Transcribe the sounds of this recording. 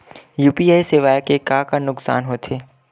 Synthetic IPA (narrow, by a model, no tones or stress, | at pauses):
juːpiaːisɪʋaːjkekaːkanʊksa̰ːnɦoːt̪ʰeː